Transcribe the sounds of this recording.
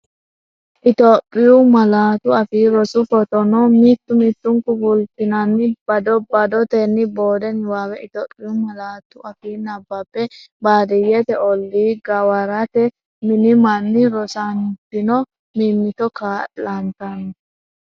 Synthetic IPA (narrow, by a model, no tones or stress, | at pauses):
ʔɪt̪oːpʼːɪjʊmɐlaːt̪ʊɐfiːɾɔsʊfɔt̪ɔnɔmiːt̪ːʊmiːt̪ːʊŋkʊbʊlt̪ɪnɐnːɪbɐd̪ɔbɐd̪ɔt̪ɛnːɪbo̞ːd̪ɛnwaːwɛɪt̪oːpʼːɪjʊmɐlaːt̪ʊʔɐfiːnɐbːɐpːɛbaːd̪ɛjɛt̪ɛɔlːiːɡɐwɐɾɐt̪ɛ | mɪnɪmɐnːɪɾɔsɐnt̪ɪnɔ | miːmːɪt̪ɔkaːlɐnt̪ɐn